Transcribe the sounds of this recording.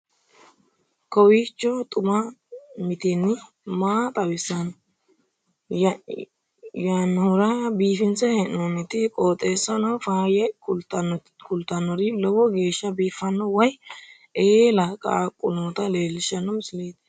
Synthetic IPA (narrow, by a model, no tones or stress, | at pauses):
kɔwiːt͡ʃːɔt̪ʼʊmɐmɪt̪ɪnːɪ | maːt̪ʼɐwɪsɐn | janːhʊɾɐbiːfɪnt͡sɛhɛnːoːnɛt̪ɪkʼoːt̪ʼeːsːɐnɐwfaːjɐ | kʊlt̪ːɐnɔɾɪlɔwɔɡe̞ːʃːɐbiːfːɐnːɔwɐj | ʔeːlɐkʼa̰ːkʼːʊnoːt̪ɐleːlːɪʃɐnɔmɪsɪleːd̪ɛ̥